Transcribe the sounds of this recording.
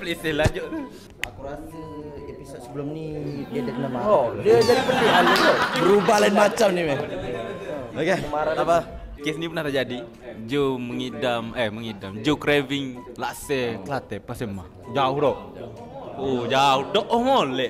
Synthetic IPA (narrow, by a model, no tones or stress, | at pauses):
plisɛlad͡ʒoʔt̪ | akuɾasiepisot̪̚səbəlumnidiədikənamaɦɔdiəd͡ʒadipəndialdoəɾubahlainmat͡ʃamnimɛ | okeəmaɾaapa | kesnipənaht̪ad͡ʒadi | d͡ʒuməŋidaməhməŋidamd͡ʒukɾeviŋlaʔsɛkəlat̪ɛpasəma̰h | d͡ʒaudoʔ | od͡ʒaudɔʔɔmɔlɛʔ